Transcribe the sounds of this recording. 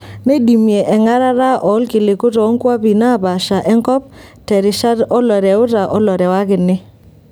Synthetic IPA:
ne˦di˨mje˨ʔɛ˨ŋa˦ɾa˦ɾa˦ʔɔ˨˦lkɪ˨lɪ˨kʊ˦tɔ˨˦ŋkwa˦pi˨na˦˨ba˨ʃa˨ʔɛ˦ŋkɔ˦p̚tɛ˨ɾɪ˨ʃa˦ɾɔ˦lɔ˨ɾɛ˨ʊ˦ta˨ʔɔ˦lɔ˨ɾɛ˨wa˦kɪ˨nɪ˦

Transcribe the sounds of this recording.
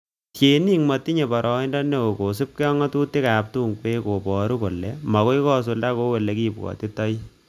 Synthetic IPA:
tje˨ni˦ŋma˨ti˦ɲe˨pɔ˨ɾɔ˨i˦ndɔ˦ne˦ko˨ko˨s̬u˦p̚ke˦ɔ˦ŋɔ˦tuː˦ti˦kaː˨p̚tuː˦ŋke˦ko˨pɔ˨ɾu˦ko˨lːɛ˨mɔ˨ko˦i˦kɔ˦s̬u˨lda˦ko˦we˨le˨ki˦pkɔ̰˨ti˦tɔ˦j

